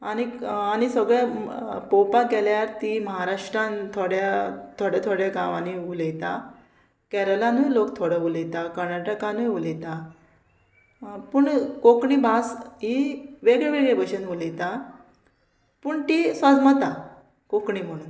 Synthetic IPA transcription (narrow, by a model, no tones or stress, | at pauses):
añiaɽ̃isəɡɭepopakɛljaɾt̪iməɦaɾaʂʈɾãnt̪ʰoɽjat̪ʰoɽjat̪ʰoɽjaɡaʋaniuləjt̪a | kɛɾəlãnujlokt̪ʰoɽəʋulet̪akəɾnaʈəkãnujʋulet̪ã | puɳkokɳibʱasɦiʋeɡɭeʋeɡɭebəɕenʋulejt̪a | puːɳt̪isad͡zmat̪a | kokɳim̤əɽ̃uːn